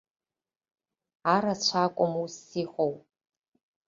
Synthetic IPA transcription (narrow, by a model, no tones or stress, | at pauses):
aːɾat͡ɕʷʰaːkʷʼɔmusiːχʷow